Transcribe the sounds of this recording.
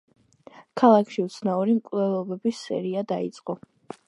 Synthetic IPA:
kʰalˠakʰʃiut̪sʰnauɾimkʼvlɛlˠɔbɛbisːɛ̰ɾiad̪ait̪sʼqʼɔ

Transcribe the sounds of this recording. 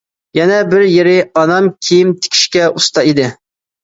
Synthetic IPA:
jɛnɛbɪɾjeɾɪɑnɑmkʲʰejimt̪ʰe̥kʲʰi̥ʃkʲɛust̪ɑid̪ɪ

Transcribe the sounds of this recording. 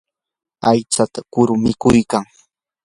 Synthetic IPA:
ajt͡sat̪akʊɾʊmɪkʊjkaŋ

